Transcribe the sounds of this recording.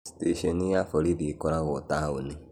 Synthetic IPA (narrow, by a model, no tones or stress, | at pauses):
si̥teʃɔnijafoɾiðikɔɾaɣotauni